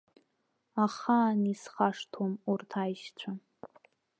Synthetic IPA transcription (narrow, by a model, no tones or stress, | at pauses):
aχanisχaʂtʰomurtʰajʃt͡ɕʷʰa